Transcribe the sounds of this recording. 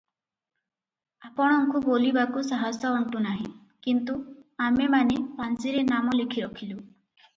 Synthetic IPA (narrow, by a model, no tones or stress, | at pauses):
apɔɽ̃ɔŋkubolibakusaɦasɔɔɳʈunaɦḭ̃ | kint̪uamemanepansiɾenamɔlekʰiɾɔkʰilu